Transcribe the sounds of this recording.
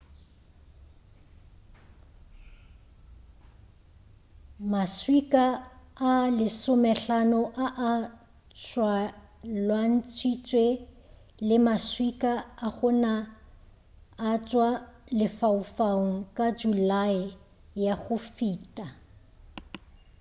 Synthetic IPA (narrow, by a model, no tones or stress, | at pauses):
maswikʼaalɪsʊmɛɬanɔʔaʔa | t͡sʰʼwalwan̩t͡sʰwit͡sʼwe | lɪmaswikʼaːχʊna | t͡ʃʼwalɪfaʊfaŋ̩kʼad͡ʒulaɪ | jaɣʊfiːtʼa